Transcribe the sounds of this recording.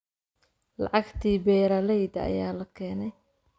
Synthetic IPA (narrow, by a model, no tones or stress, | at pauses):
lɑ̰ʕɑɡt̪ʰiːbɛːɾɐlɛjd̪ɐɐ̰jaːlɐkʰɛːnɛj